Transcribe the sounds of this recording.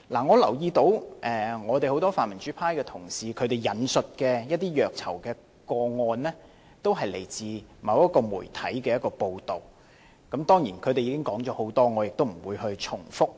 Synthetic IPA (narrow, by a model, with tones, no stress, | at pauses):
laː˨˩ŋɔː˨˧lɐ˨˩wjiː˧t̪o˨˥wʔɛː˨ŋɔː˨˧t̪e˨jho˨˥wt̪ɔː˥faː˨nmɐ˨˩nt͡ʃyː˨˥pʰaː˥jkɛ˧t̪ʰʊ˨˩ŋsiː˨kʰɵ˨˧ɥt̪e˨˩jjɐ˨˥nsɵ˨t̚kɛː˧jɐ˥t̪ːiː˥jœː˨˩k̚t͡sʰɐ̰˨˩wkɛː˧ | kɔː˧ŋɔː˧nlɛː˥ | t̪o˥wɦɐ˨jlḛ˨˩jt͡siː˨mɐ˨˧wjɐ˥t̚kɔː˧mṵː˨˩jt̪ʰɐ̰˨˥jkɛː˧jɐ˥t̚kɔː˧po˧wt̪o˨˩w | kɐ˨˥mt̪ɔː˥ŋjiː˨˩nkʰɵ˨˧te˨jiː˧kɪ˥ŋkɔː˨˥ŋt͡ʃɔː˨˥ho˨˧˥wt̪ɔː˥ŋɔː˨˧jɪ˨k̚t̪o˥wm̩˨˩wuː˨˧jɦɵ˧ɥt͡ʃʰʊ˨˩ŋfʊ˥k̚